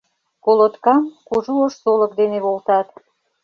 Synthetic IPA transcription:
kolot̪kɑmkuʒuoʃsolək̚d̪eneβolt̪ɑt̪

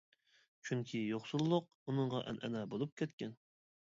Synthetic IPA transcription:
t͡ʃʰyŋkʲʰijoχsulˠːʊq̚ | unɨɴʁɑʔɛ̰nʔɛ̰nɛbolˠup̚kʲʰɛt̪kʲɛn

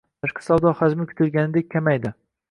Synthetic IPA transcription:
aʃqʰḁsawd̪ɒχad͡ʒmɪkʲʰʊ̥t̪ʰɪlɡʲanɪd̪ekʲʰːamajd̪ɪ

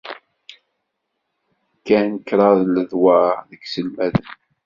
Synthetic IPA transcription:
kːænkːɾˤɑðləðwæðəɡsəlmæðən

